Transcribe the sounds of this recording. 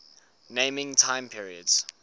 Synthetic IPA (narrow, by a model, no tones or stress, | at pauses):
nẽmɪ̃ŋtʰãɪ̃mpʰiɹiədz̥